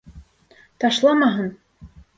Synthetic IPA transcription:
t̪ɑʃlˠɑmɑɦɤn

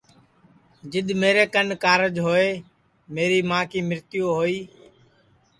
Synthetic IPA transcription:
d͡ʒɪɗ̪meːɾeːkənkaːɾəd͡ʒɦoːeː | meːɾiːmãːkiːmɪɾt̪ɪjoːɦoːiː

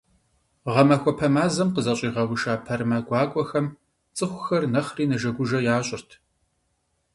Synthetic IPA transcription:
ʁɐmɐxʷɔpʰɐmaːzɐmqəzɐɕʼiːʁɐwʊʃaːpʰɐrmɐɡʷɑːkʷʼɔxɐm | t͡sʼɨxʷxɐrnɐχriːnɐʒɐɡʷʊʒɐjaːɕʼɪrtʰ

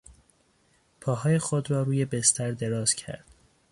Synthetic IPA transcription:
pʰɒːɦɒːje̞xod̪ɾɒːɾuːje̞best̪ʰæɾd̪e̞ɾɒːz̥cʰæ̰ɾd̪̥

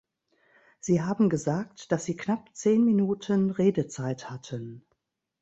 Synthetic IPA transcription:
z̥iːɦaːbm̩ɡəzaːk̚td̥asz̥iːknap̚t͡seːnminuːtʰənʁeːdət͡saɪthatʰən

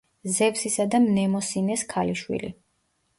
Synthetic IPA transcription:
zɛpsisad̪amnɛmɔsinɛskʰaliʃwḭlḭ

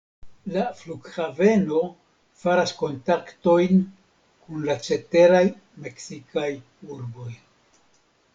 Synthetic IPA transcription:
lafluɡxave̞no̞ | faɾasko̞ntakto̞jn | kunlat͡ʃe̞te̞ɾaj | me̞ksikaj | uɾbo̞j

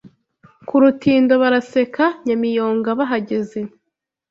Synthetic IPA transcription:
kuɾutiːndo̞βaɾase̞kaɲamijo̞ːŋɡaβaɦaɟe̞ze̞

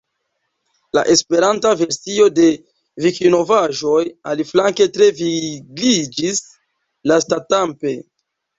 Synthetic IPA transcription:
laʔe̞spe̞ɾantave̞ɾsio̞de̞ | vikino̞vaʒo̞jaliflaŋke̞tɾe̞viɡid͡ʒis | lastatampe̞

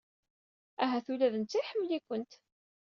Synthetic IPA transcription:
æɦæθulæðənt͡sːiħəmːlikʷənt̪

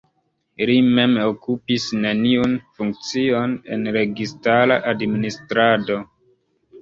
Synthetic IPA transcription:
lime̞mokupisne̞niunfuŋk̚t͡sione̞̰nɾe̞ɡistalaʔadministɾado̞

